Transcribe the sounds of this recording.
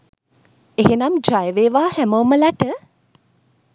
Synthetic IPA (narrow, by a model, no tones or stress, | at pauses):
eɦenamd͡ʒajəʋeːʋaːhæmowməlaʈə